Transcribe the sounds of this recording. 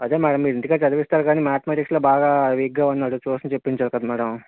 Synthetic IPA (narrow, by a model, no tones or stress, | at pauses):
ɐd̪eːmɛːɽɐmːiːɾend̪ukaːt͡ʃɐd̪ɐʋist̪aːɾkaːniːmaːt̪ɐmaːʈiksloːbaːɡaːʋiɡːɐɐnːaːɽut͡ʃuːsinɐt͡ʃepːiɲt͡ʃaːɾkɐd̪ɐmɛːɽɐm